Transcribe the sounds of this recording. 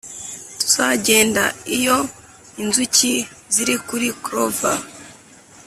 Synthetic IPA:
tu̥z̥aɟe̞ːndaijo̞ | inzuci | ziɾikuɾikɾova

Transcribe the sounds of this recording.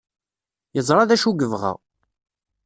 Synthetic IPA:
jəzˤɾˤɑðæʃuɡəvʁə̰ʁ

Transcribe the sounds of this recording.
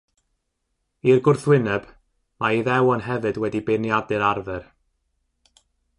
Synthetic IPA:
irɡʊrθwɪnɛb̥ | maiðɛwənɦɛvɨdwɛdibenjadɨɾarvɛr

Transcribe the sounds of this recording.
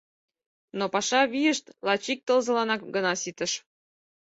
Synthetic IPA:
nopɑʃɑβijəʃt̪lɑt͡ɕik̚t̪əlzɤ̆lɑnɑkɡənɑsit̪əʃ

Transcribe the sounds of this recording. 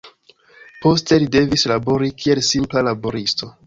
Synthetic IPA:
po̞ste̞lide̞vislabo̞ɾikʰie̞lsimplalaboɾisto̞

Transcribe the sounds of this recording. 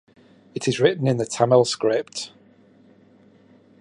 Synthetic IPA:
ɪtʰɪzɹɪʔn̩ɪ̃nðətʰaməlˠskɹɪp̚t

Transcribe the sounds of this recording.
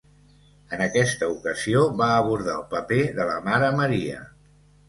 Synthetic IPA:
ənəkɛst̪əukəzioβaəβuɾð̞a̰əlˠpəpeðələmaɾəməɾiə̰

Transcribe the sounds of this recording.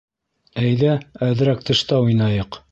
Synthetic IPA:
æjðæːð̆ɾæk̚t̪ɤ̆ʃt̪ɑujnɑjɤq

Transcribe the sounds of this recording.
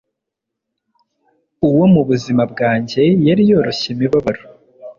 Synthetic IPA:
uwo̞muβuzimabɡaːɲɟe̞jaɾijo̞ːɾo̞ɕemiβaβaɾo

